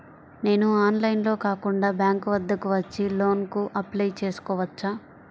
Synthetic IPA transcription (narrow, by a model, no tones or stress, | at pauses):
ne̞ːnuaːnlɐjnlo̞ːkaːkuɳɖaːbjaːŋkuʋɐd̪ːɐkuʋɐt͡ʃːilo̞ːnkuʔɐplɐjt͡ʃe̞ːsu̥kɔːʋɐt͡ʃːaː